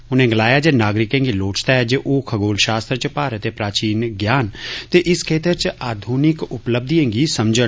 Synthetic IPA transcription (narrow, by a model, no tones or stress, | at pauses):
ʊnẽːɡəlaːjaːd͡ʒeːnaːɡɾɪkẽːŋɡiːloːt͡ʃt̪aːɦɛːd͡ʒeːʔoːkʰəɡoːlʃaːst̪ɾt͡ʃpaːɾət̪eːpɾaːt͡ʃiːnɡjaːnt̪eːʔɪskʰeːt̪əɾt͡ʃaːd̪ʱuːnɪkʊpləb̚d̪ʱiẽːŋɡiːsəmd͡ʒə